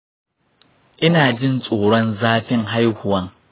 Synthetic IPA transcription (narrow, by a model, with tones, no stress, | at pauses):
ʔɪ˦naː˨d͡ʒɪ˦nsʼoː˨ɽɔ˦nzaː˦ɸɪ˦ŋɦa˦jhʊ˨wɐ˦ŋ